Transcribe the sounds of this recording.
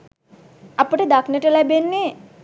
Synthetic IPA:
apəʈəd̪aknəʈəlæbenːe

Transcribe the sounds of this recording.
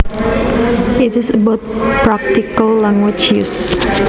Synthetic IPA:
it̪ɪsəbat̪̚pɾak̚t̪ikalːaŋwit͡ʃis

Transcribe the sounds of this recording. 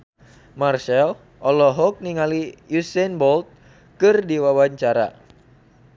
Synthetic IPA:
marsɛl | ʔɔlɔɦɔk̚niŋalijusɛnbɔlt̪̚ | kɨrdiwawaɲt͡ʃaɾa̰

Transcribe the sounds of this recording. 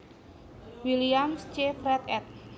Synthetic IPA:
wiliamst͡ʃefɾɛt̪ɛt̪̚

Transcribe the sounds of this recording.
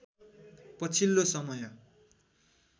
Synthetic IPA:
pʌt͡sʰilːosʌmʌjʌ

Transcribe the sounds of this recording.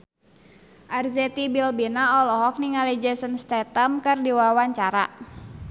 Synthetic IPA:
ʔarzɛt̪ibilbinaɔlɔɦɔk̚niŋalid͡ʒɛsənst̪ɛt̪əmkɨrdiwawaɲt͡ʃaɾa̰

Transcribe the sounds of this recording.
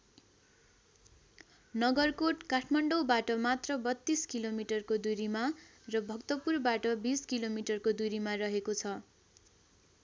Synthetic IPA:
nʌɡʌrkoʈkaʈʰmaɳɖowbaʈʌmat̪rʌbʌt̪ːiskilomiʈʌrkod̪uɾimarʌbʱʌkt̪ʌpurbaʈʌbiskilomiʈʌrkod̪uɾimarʌɦekot͡sʰʌ

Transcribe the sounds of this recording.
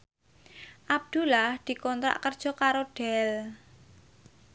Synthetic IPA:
ʔab̚d̪̥ulahd̪̥i̤kɔnt̪ɾa̰ʔkərd̥ʒ̥ɔ̤kaɾoɖ̥ɛl

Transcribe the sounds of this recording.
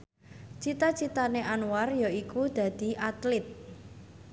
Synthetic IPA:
t͡ʃit̪at͡ʃit̪aneʔanwarjɔikud̪̥ä̤d̪̥i̤ʔat̪lɪt̪̚

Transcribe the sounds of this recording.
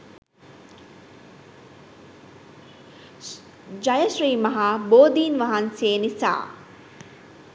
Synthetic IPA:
d͡ʒɐjɐʃɾiːmɐɦaːboːd̪iːnʋɐɦanseːnisa̰ː

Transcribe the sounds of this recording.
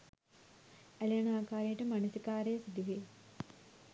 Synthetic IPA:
ɐljɐnaːkaːɾjeʈɨmɐnɐsikaːɾeːsid̪iʋi

